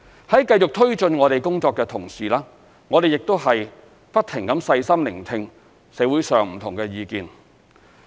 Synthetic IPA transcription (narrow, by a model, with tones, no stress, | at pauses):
hɐ˨˥jkɐ˧jt͡ʃʊ˨k̚t̪ʰɵ˥ɥt͡ʃɵ˧nŋɔː˨˧ɾe˨jkʊ˥ŋt͡sɔː˧kːɛː˧t̪ʰʊ˨˩ŋsiː˨˩laː˥ | ŋɔː˨˧ɾe˨˩jɪ˨k̚t̪o˥whɐ˨j | pɐ˥t̚t̪ʰːɪ˨˩ŋkɐ˨˥msɐ˧jsɐ˥mlɪ̰˨˩ŋt̪ʰɪ˧ŋ | sɛː˨˧˥wuː˨˥jsœː˨ŋm̩˨˩t̪ʰʊ˨˩ŋkɛː˧jiː˨˧kiː˨n